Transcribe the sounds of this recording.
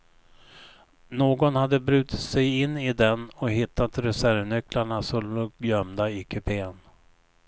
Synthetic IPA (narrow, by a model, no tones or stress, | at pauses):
noːɡɔnhad̪ːəbɾʉ̟ːt̪ʰɪ̥t̪sɛjɪnːɪd̪ɛnɔɦɪt̪ːat̪ɾɛsæɾvnɵklaɳasɔlolœmd̪aɪkʰɵpʰeːn